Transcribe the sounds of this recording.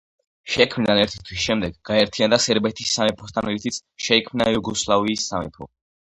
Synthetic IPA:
ʃɛkʰmnanɛɾt̪ʰi̥t̪ʰwisʃɛmd̪ɛɡɡaɛɾt̪ʰiand̪asɛɾbɛt̪ʰisːamɛpʰɔst̪ʰanlit̪ʰit̪sʰʃɛikʰmnajuɡɔslˠaviːsːamɛ̰pʰɔ̰

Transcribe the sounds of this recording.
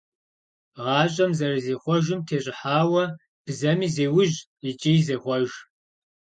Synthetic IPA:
ʁɑːɕʼɐmzɐrɨzeːχʷɔʒɨmtʰeːɕʼɪħaːwɐ | b̥zɐmiːzeːwʊʑ | it͡ʃʼijzeːχʷɔʒ

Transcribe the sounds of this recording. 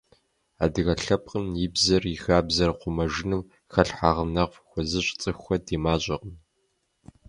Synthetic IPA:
a̰ːdɨɣɐɬɐp̚qʼəmjɪbzɐrixaːbzɐrqʷʊmɐʒɪnɨw | xɐɬħaːʁənɐʁvxʷɔzɨɕʷʼt͡sʼɨxʷxʷɐdeːmaːɕʼɐqən

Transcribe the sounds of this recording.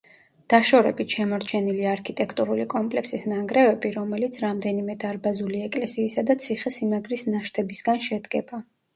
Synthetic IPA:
d̪̥aʃɔɾɛbit̪ʰʃɛmɔɾt͡ʃʰɛniliaɾkʰit̪ʼɛkʰt̪ʼuɾulikʼɔmpʼlɛksisnaŋɡɾɛvɛbiɾɔmɛlit̪sʰɾamd̪ɛnimɛd̪aɾbazuliɛkʼlɛsiːsad̪at̪sʰiχɛsimaɡɾisnaʃt̪ʰɛbisɡanʃɛd̪ɡɛba

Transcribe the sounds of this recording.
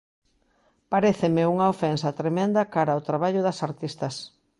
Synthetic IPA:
paɾeθemeuŋɐofɛnsɐt̪ɾemẽnd̪ɐkaɾaot̪ɾaβaʎʊðɐsaɾt̪ist̪ɐs

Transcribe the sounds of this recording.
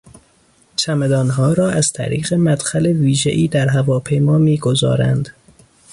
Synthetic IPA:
t͡ʃʰæmed̪ɒːnɦɒːɾɒːʔæz̥t̪ʰæ̰ɾḭːɣemæd̪̥xæleviːʒḛʔiːd̪æɾɦævɒːpʰe̞jmɒːmiːɡozɒ̰ːɾæ̰nd̪

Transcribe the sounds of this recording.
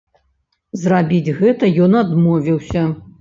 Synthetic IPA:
zrabʲid͡zʲɣɛt̪ɐjɔnad̪mɔvʲiwsʲɐ

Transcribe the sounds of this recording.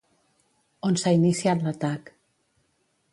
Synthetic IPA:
onsainisiat̪lat̪ak

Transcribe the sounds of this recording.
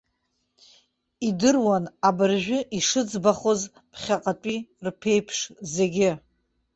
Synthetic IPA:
idɨrwanabɨrʒᶣʊʔiʂɨd͡zbaχoz | pʰχʲaqʼatʷʼirpʰe̞jpʰʂze̞ɡʲɪ

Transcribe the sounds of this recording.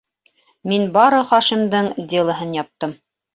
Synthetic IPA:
minbɑɾɤχɑʃimd̪ɤɴd̪ʲelˠɤ̆ɦɤnjɑp̚t̪ɤm

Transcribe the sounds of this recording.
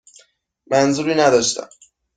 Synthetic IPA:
mænzuːɾiːnæd̪ɒʃt̪ʰæ̰m

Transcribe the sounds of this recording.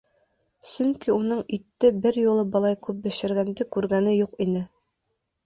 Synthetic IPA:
sɵŋkiunɤɴit̪ːɘbɘɾjulˠɤbɒlˠɑjkʉp̚bɘ̆ʃɘ̆ɾɡænd̪ɘkʉɾɡænɘjuqinɘ

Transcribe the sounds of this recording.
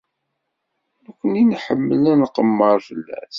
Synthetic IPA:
ækʷːəninħəmːəlænəqəmːəɾˤfəlːæ̰θ

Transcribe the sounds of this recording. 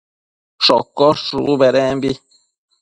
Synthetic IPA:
ʃɔkːɔʃubɛɾɛmbi

